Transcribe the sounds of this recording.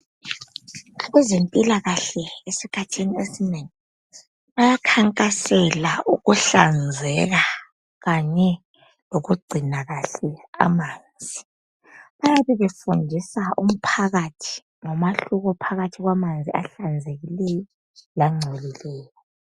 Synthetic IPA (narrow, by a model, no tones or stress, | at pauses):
ɣwɛzempʼilaɣaɬɛesikʰatʰiniesineŋi | βajakʰaŋkʼasɛlauɣuɬand͡zʱɛɣa | ɣaɲɛ | loɣuɡ͡ǀʱinaɣaɬɛa̰maːnd͡zʱi | βajaβɛβɛfundʱisaʔum̩pʰaɣatʰi̥ | ŋɔmaɬuɣɔpʰaɣatʰiɣwamand͡zʱia̰ɬand͡zʱeɣilɛjɔ | laŋ͡ǀʱɛlilɛːjɔ